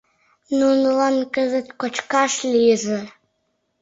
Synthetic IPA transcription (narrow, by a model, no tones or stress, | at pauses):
nunəlɑnkə̆zə̆t̪kot͡ɕkɑʃlʲijəzĕ